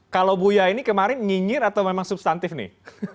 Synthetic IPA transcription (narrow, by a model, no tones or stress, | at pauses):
kalawbujainikəmaɾɪnɲiɲɪɾat̪awmemaŋsub̚st̪ant̪ɪfnɪ̰h